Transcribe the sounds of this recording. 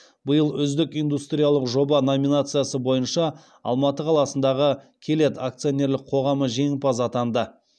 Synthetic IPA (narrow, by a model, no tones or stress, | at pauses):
bəjəlˠʏzd̪ɪkijnd̪ust̪ɾʲijalˠəqʒo̞bɑno̞mʲinat̪sɨjasəbo̞jənʃɑ | ɑ̰lˠmɑt̪əqʰɑlˠɑsənd̪ɑʁə | kʲʰe̞le̞t̪ak̚t̪sɨjo̞nʲe̞ɾlɪk̚qʰo̞ʁɑməʒe̞ŋpɑzɑt̪ɑnd̪ə